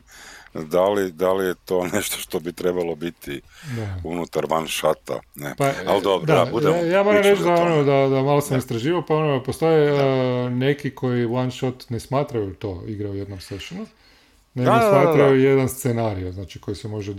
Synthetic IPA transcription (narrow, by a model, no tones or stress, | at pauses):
d̪alid̪alijet̪o̞ːneʃt̪oʃt̪obit̪ɾebalˠobit̪id̪aunut̪aɾʋanʃat̪a̰nḛpaald̪od̪aujaːmoɾamɾet͡ʃd̪aonod̪ad̪amalosamist̪ɾaʒiːʋaopao̞nopost̪o̞je | ne̞kikʰo̞jiwanʃot̪nesmaːt̪ɾajut̪o̞iɡɾajujed̪nomseʃonu | neɡosmaːt̪ɾajujed̪anst̪senaɾioznat͡ʃiko̞jisemo̞ʒe